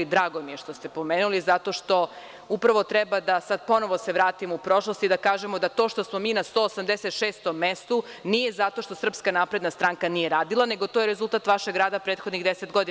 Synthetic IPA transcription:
d̪ɾaːɡo̞mijeʃt̪ost̪epo̞meːnulizat̪o̞ʃt̪o̞ | upɾaʋo̞t̪ɾɛbad̪asad̪̚po̞no̞ʋo̞seʋɾaːt̪imoupɾo̞ʃlˠost̪id̪akaːʒemod̪at̪o̞ʃt̪o̞smo̞miːnast̪o̞ːsamd̪eset̪ʃeːst̪omːest̪unije̞zat̪o̞ʃt̪o̞sr̩pskanapɾe̞d̪nast̪ɾaŋkanijeɾaːd̪ilˠane̞ɡo̞t̪ojeɾezulˠt̪at̪ʋaʃeɡɾaːd̪apɾeːt̪xod̪niɣd̪eset̪ɡod̪i

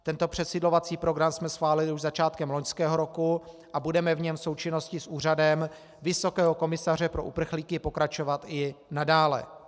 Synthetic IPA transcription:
t̪ɛnt̪o̞pr̝̥ɛt̪sɪdlo̞vat͡siːpɾo̞ɡɾamsmɛsxvaːlɪlɪuʒzat͡ʃaːt̪kɛmloɲskɛːɦo̞ɾo̞kuʔabudɛmɛvɲɛmso̞wt͡ʃɪno̞scɪsʔuːr̝adɛm | vɪso̞kɛːɦo̞ko̞mɪsar̝ɛpɾo̞ʔupr̩xliːkɪpo̞kɾat͡ʃo̞vat̪ɪnadaːlɛ̰

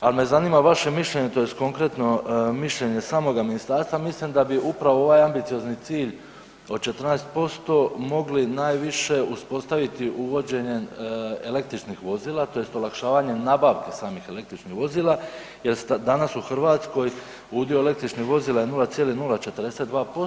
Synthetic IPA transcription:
alme̞zaniːmaʋaʃe̞miʃʎe̞ɲe̞t̪o̞je̞st̪ko̞ŋkɾe̞t̪no̞miʃʎe̞ɲe̞saːmo̞ɡaminist̪aːɾst̪ʋamislimd̪abiʔupɾaʋo̞o̞ʋaːjambit̪sijo̞znit̪siːʎ | o̞d̪̚t͡ʃe̞t̪rnaest̪̚po̞st̪o̞mo̞ɡlinaːjʋiʃe̞uspo̞st̪aʋit̪iʔuʋo̞d͡ʑe̞ɲe̞ele̞k̚t̪ɾit͡ʃnixʋo̞ziːlˠat̪o̞je̞st̪o̞lakʃaːʋaɲe̞naːbaʋkesaːmixe̞le̞k̚t̪ɾit͡ʃnixʋo̞ziːlˠa | je̞lst̪d̪anasuxr̩ʋaːt̪sko̞j | ud̪ioele̞kt̪ɾit͡ʃniʋo̞ziːlaenulat̪sjelinulˠat͡ʃe̞t̪ərd̪e̞sed̪d̪ʋaːpo

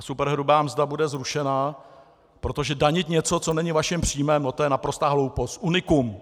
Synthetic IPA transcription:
supɛɾɦɾubaːmzdabudɛzɾuʃɛna | pɾo̞t̪oʒɛdaɲɪt̪ɲɛt͡so̞t͡so̞nɛɲɪvaʃɪmpr̥iːmɛmnot̪ojɛnapɾost̪aːɦlo̞wpost̪̚ʔunɪkum

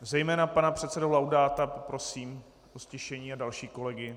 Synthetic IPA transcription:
zɛjmɛːnapanapr̝̥ɛt̪sɛdolawdaːt̪apopɾo̞siːm | ʔoscɪʃɛɲiːadalʃiːko̞lɛɡɪ

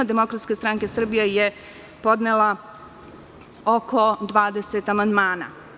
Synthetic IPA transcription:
ad̪e̞mo̞kɾat̪skest̪ɾaŋkesr̩bijaje | po̞d̪nelˠa | oko̞d̪ʋaːd̪eset̪amand̪maːna̰

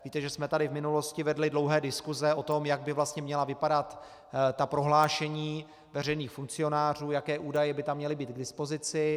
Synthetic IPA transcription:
viːt̪ɛʒɛsmɛt̪adɪvmɪnulo̞scɪvɛdlɪdlo̞wɦɛːdɪskuzɛo̞t̪o̞mjaɡ̚bɪvlast̪ɲɛmɲɛlavɪpadat̪ | t̪apɾo̞ɦlaːʃɛɲiː | vɛr̝ɛjniːxfuŋkt͡sɪo̞naːr̝uːjakɛːʔuːdajɛbɪt̪amːɲɛlɪbiːd̪̚ɡdɪspo̞zɪt͡sɪ

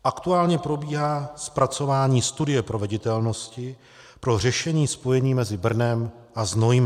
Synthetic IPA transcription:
ʔakt̪uaːlɲɛpɾo̞biːɦaːspɾat͡so̞vaːɲiːst̪udɪjɛpɾo̞vɛɟɪt̪ɛlno̞scɪ | pɾo̞r̝ɛʃɛɲiːspo̞jɛɲiːmɛzɪbr̩nɛm | ʔaznojm

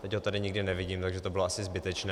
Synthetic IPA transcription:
t̪ɛcɦot̪adɪɲɪɡdɪnɛvɪɟiːmt̪aɡʒɛt̪obɪloasɪzbɪt̪ɛt͡ʃnɛ

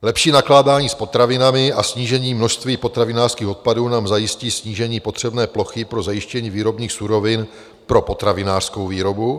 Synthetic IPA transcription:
lɛpʃiːnaklaːdaːɲiːspo̞t̪ɾavɪnamɪʔasɲiːʒɛɲiːmno̞ʃst̪viːpo̞t̪ɾavɪnaːrskiːxo̞t̪̚paduːnaːmzajɪsciːsɲiːʒɛɲiːpo̞t̪r̝̥ɛbnɛːplo̞xɪpɾo̞zajɪʃcɛɲiːviːɾo̞bɲiːxsuɾo̞vɪn | pɾo̞po̞t̪ɾavɪnaːr̥sko̞wviːɾo̞bu

